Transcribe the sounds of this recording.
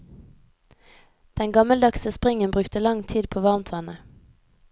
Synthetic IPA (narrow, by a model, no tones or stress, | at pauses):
d̪̥ɛŋɡɑməld̪ɑksəspʁɪŋənbʁʉːkt̪əlɑŋt̪ʰiːd̪̚pʰoːʋɑʁmt̪ʰʋɑnə